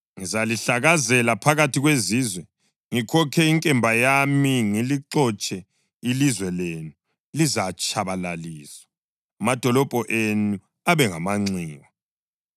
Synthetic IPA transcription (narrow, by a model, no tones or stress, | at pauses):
ŋizaliɬaɣazɛlapʰaɣatʰiɣweziːzwɛ | ŋikʰɔkʰɛiŋkʼɛmbʱajamiŋiliǁɔt͡ʃʼɛ | ilizwɛleːnu | lizat͡ʃʼaβalaliːzwḁ | mad̥ʱɔlɔb̥ʱɔʔenu | aβɛŋamaŋ͡ǀiːwa